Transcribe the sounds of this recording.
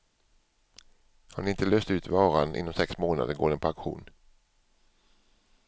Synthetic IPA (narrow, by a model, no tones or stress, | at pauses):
hanɪɪnt̪əløːst̪ʉ̟ːt̪vɑːɾanʔɪ̰nːɔmsɛksmoːna̰d̪əɡo̰ːɖɛnpʰɔaŋkɧṵːn